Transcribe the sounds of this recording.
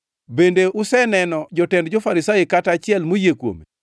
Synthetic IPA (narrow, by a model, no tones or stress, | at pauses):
bendeʔusɛnɛnɔd͡ʒɔtɛndd͡ʒɔfaɾisajikatat͡ʃɪɛlmojekwo̰me